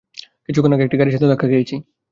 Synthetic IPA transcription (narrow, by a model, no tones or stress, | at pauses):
kit͡ʃʰukonokek̚ʈikaɾiʃ̬et̪od̪ɛkʰaɡejt͡ɕʰi